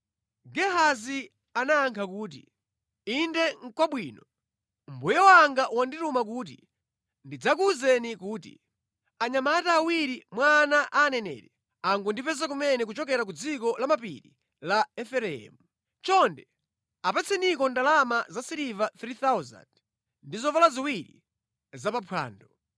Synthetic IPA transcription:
ɡɛɦazi | anaːŋkʰakuːt̬ḭ | indɛŋkwaɓwiːnɔ | mbujɛwaŋɡaʔwanditumak̬uːt̬ḭ | ndid͡zakuzɛnikuːtḭ | aɲamataːwiɾimwanaʔaːnɛnɛ̰ːtɛ | aŋɡundipɛz̬ak̬umɛnɛk̬ut͡ʃɔkɛɾak̬ud͡zikɔlamapḭɾḭ | laɛfɛɾɛɛ̰mu | t͡ʃɔndɛ | apɛt͡sʰɛnikɔndalamazasiɾivaθɾiθawza̰nd | ndizɔvalaziwiɾḭ | zapapʰwa̰ːndɔ

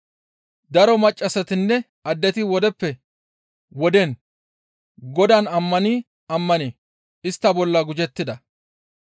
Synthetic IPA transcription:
d̪ɐɾɔmɐt͡ʃʼːɐsɛt̪ɪnːɛ | ɐd̪ːɛt̪ɪwɔd̪ɛpːɛ | wɔd̪ɛn | ɡɔd̪ɐnɐmːɐniː | ɐmːɐne | ɪst̪ːɐbɔlːɐɡʊd͡ʒɛt̪ːɪd̪ɐ

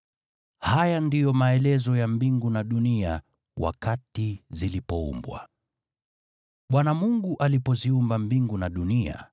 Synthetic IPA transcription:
hajandijɔmaɛlɛzɔjambiŋɡunaɗunia | wa̰katizilipɔṵmbwa̰ | ɓwanamuŋɡuʔalipɔziumbambiŋɡunaɗunia̰

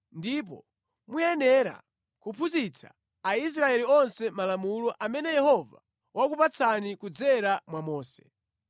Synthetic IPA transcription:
ndipɔ̰ | mujɛnɛɾa̰ | kupʰuzit͡sʰa̰ː | is̬ɾaɛliɔnsɛmalamulɔʔamɛnɛjɛhɔva̰ | wakupat͡sʰanikud͡zɛɾamwamɔːsɛ̥

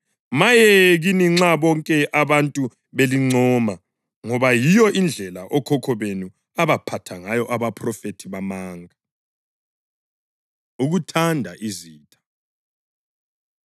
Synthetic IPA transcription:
majɛɣiniŋ͡ǁaβɔŋkʼɛʔaβantʼu | βeliŋ͡ǀɔːma | ŋɔβajijɔʔind͡ɮʱɛlaʔɔkʰɔkʰɔβenu | aβapʰatʰaŋajɔʔaβapʰʼrɔfetʰiβamaːŋa | uɣutʰandʱaʔiziːtʼḁ

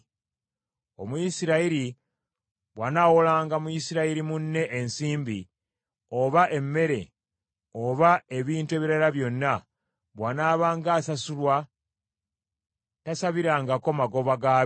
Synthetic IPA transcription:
o̞̰mujisiɾaiɾi | βwanawolaːŋɡamujisiɾaiɾimunːe̞ʔensiːmbi | o̞βaʔe̞mːe̞ɾe̞̰ | o̞βae̞βiːntue̞βiɾalaβjo̞nːa | βwanaːβaːŋɡaːsasulwa | tasaβiɾaːŋɡako̞maɡo̞βaɡa

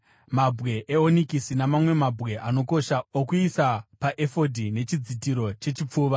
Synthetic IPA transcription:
mabʱɣe̞ʔeonikisinamamwe̞mabʱɣe̞ʔano̞ko̞ʃaokuisapaʔefo̞dʱine̞t͡ʃid͡zitiɾo̞t͡ʃe̞t͡ʃip͡fuːʋa

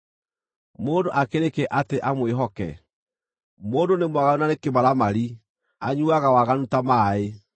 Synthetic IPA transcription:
moːndoʔakeɾekɛʔateʔamweɦɔkɛ̰ | moːndonemwaɣaunanekemaɾamaɾi | aɲuaɣawaɣanutamae

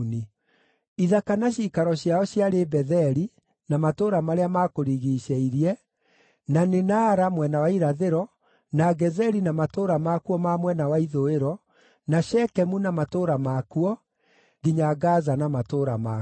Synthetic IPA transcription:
ni | iðakanaɕiːkaɾɔɕjaɔɕjaɾebɛðɛɾi | namatoɾamaɾeamakoɾiɣiʃɛiɾiɛ | nanenaːɾamwɛnawaiɾaðeɾɔ | naɡɛzɛɾinamatoɾamakuɔmamwɛnawaiðoeɾɔ | naʃɛkɛmunamatoɾamakuɔ | ɡiɲaɡazanamatoɾama

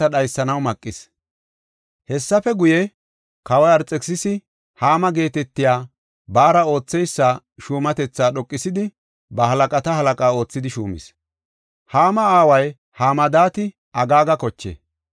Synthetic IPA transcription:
ɐɗɐjsːɐnɐwmɐkʼːɪs | hɛsːɐfɛɡʊjɛ | kɐwɐjɐɾt͡sʼɛksɪsɪ | haːmɐɡe̞ːt̪ɛt̪ːɪjaː | baːɾɐo̞ːt͡sːɛjsːaː | ʃuːmɐt̪ɛt͡sːaːɗɔkʼːɪsɪd̪ɪ | bɐhɐlɐkʼɐt̪ɐɦɐlɐkʼaːo̞ːt͡sːɪd̪ɪʃuːmɪ̰s | haːmɐaːwɐj | haːmɐd̪aːt̪ɪ | ʔɐɡaːɡɐkɔt͡ʃːḛː

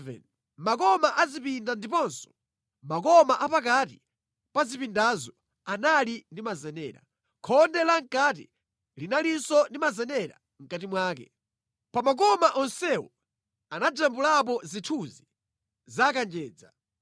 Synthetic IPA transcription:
vɛ̰n | makɔmaʔazipindandipɔnsɔ̥ | makɔmaʔapak̬ati | pazipindazɔ | analindimazɛnɛːɾa̰ | kʰɔndɛlaŋ̩kat̬ḭ | linalinsɔndimazɛnɛɾa̰ | ŋ̩katimwaːkɛ | pamak̬ɔmaʔɔnsɛwɔ | anad͡ʒambulap̬ɔzitʰuzi | zakand͡ʒɛːd͡za

